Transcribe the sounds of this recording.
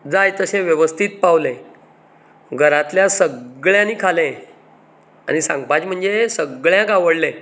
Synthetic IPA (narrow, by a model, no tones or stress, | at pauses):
d͡zajt̪əsẽʋjəʋəst̪ʰiːt̪̚paʋlẽ | ɡʱəɾãt̪ljasəɡɭjãniːkʰalẽ | a̰nisã̰ŋɡ̚pad͡ʑm̤əɳd͡zesəɡɭjãkaʋəɽle